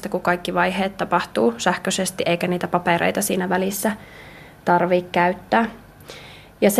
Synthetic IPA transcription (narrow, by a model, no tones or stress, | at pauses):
st̪ækukɑikːiʋɑjheːt̪t̪ːɑpɑht̪uːsæhkøsest̪iʔeikæniːt̪æpɑpeɾḛit̪ɑsiːnæʋælisːæ | t̪ɑrʋiːkkæyt̪ːæː | jɑs